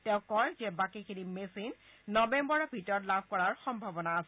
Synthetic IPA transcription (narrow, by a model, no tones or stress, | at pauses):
tɛʊ̃kɔjzɛbakikʰinimesinːɔbembɔɹɔbʱitɔtlab̚ʱkɔɹaɹxɔmbʱabɔnaasɛ